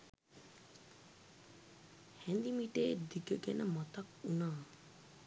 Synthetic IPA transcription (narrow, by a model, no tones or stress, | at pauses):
hænd̪imiʈeːd̪iɡəɡɛnəmat̪akunaː